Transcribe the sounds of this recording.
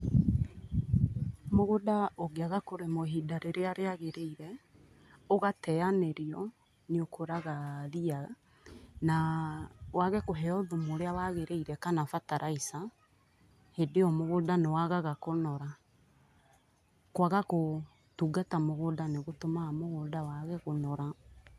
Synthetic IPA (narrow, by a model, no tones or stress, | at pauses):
moɣodaoɡeaɣakoɾemoɦidaɾeɾeaɾeaɣeɾeiɾɛ | oɣatɛaneɾiɔ | neokʰoɾaɣaðia | na | waɣɛkoɦɛɔðumoɾeawaɣeɾeiɾɛkanafataɾaisa | hedeɔmoɣodanewaɣaɣakonɔɾa | kwaɣako | tuːɡatamoɣodaneɣotomamoɣoːdawaɣɛɣonɔɾa